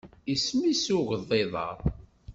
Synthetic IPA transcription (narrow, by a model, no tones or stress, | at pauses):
ismisuɣðˤːeðˤɑ̰ɾ